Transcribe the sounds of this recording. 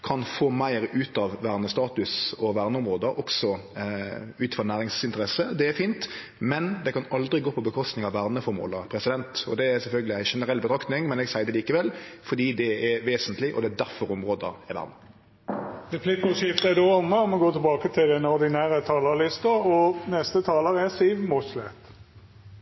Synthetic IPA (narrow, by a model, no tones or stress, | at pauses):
kʰɑnfoːmæɪɾʉːt̪ɑʋʋæʁnəst̪ɑːt̪ʉsɔʋæʁnəʊmɾoːd̪əɾɔksɔ | ʉːt̪fɔʁnæːɾɪŋsɪnt̪əɾɛsəd̪ɛæfiːnt̪ | mɛnd̪ɛkɑnɑld̪ɾɪɡoːpʰɔbəkʰɔst̪nɪŋɑʋæːʁnəfɔɾmo̰ːləpʰɾɛsɪd̪ɛnt̪ɔd̪ɛæsɛlfœlɡəlɪæɪʃɛnəɾɛlːbət̪ʰɾɑkt̪nɪŋmɛnɛɡsæɪd̪ɛliːkəʋɛlfɔd̪iːd̪ɛɛʋeːsənt̪lɪʔɔ̰d̪ɛæd̪æʁfɔɾɔmʁoːd̪əɛɾʋæ̰ʁnə | ʁɛpʰlɪkʊʃɪft̪ɛd̪oɔməɔmɔɡoːt̪ʰɪlbɑːkət̪ʰɪld̪ɛnɔd̪ɪnæːɾət̪ʰɑːləlɪst̪əɔnɛst̪ət̪ʰɑːləʁɛsiʋmɔçlɛt̪